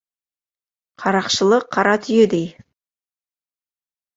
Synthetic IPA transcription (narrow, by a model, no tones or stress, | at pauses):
qʰɑɾɑqʃəlˠəqʰːɑɾɑt̪ʰʏjed̪ej